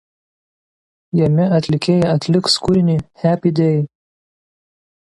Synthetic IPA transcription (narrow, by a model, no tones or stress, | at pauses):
jɛmʲɪɐt̪ʲlʲɪkʲeːjɛɐt̪ʲlʲɪkskʊɾʲɪnʲiːhʲæːpʲid̪ʲeːjɪ